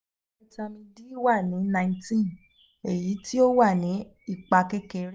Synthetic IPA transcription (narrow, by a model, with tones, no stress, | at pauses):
ɛ˦ta˧mĩ˧di˦wa˦˨nĩ˨˦nã˧ĩ˧ntĩ˦ | e˨ji˨˦ti˦o˦wa˦˨nĩ˨˦ | i˦˨k͡pa˧kɛ˦kɛ˧ɾ